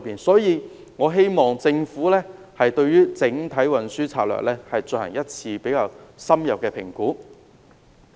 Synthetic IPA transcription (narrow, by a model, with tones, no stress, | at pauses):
piː˨˩nsɔː˨˥jiː˨˧ | ŋɔː˨˧ɦe˥jmɔː˨ŋt͡sɪ˧ŋfuː˨˥lɛː˥ | hɐ˨jt̪ɵ˧ɥɥyː˥t͡sɪ˨˥ŋt̪ʰɐ˨˥jwɐ˨nsyː˥t͡sʰaː˧t̚lœ̰ː˨k̚lɛː˥hɐ˨jt͡sɵ˧nhɐ˨˩ŋjɐ˥t̚t͡sʰiː˧pe˨˥jkaː˧wsɐ˥mjɐ˨p̚kɛː˧pʰɪ̰˨˩ŋkuː˨˥